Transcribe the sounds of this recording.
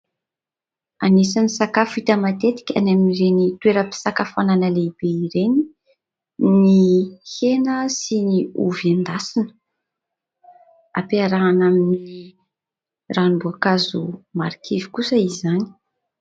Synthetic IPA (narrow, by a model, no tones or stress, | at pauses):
anesanisakafit̪əmat̪et̪i̥kʲa̰naminiɾenit̪weɾəpi̥sakafananəleib̥eiɾeni | nihenəsiniṵvand̪asinə̥ | apeaɾaːnaminini | ranimbuakazumaɾikʰivi̥kusəizani̥